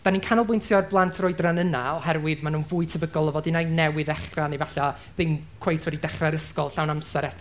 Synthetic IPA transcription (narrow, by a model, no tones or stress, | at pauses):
d̥aninkʰanɔlˠbʊjntʰjɔrblˠantʰroɨdranənaɔhɛrwɪðmanuːnvuːɨtʰəbəɡɔlˠɔvɔdinajnɛwɪðɛχranivaɬa | ðɪmkʰwejtʰwɛdidɛχraɾəskɔlˠɬawnamsɛɾɛtʰ